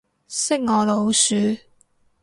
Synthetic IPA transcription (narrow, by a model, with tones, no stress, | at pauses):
sɪ˥k̚ŋɔː˨˧lo˨˧wsyː˨˥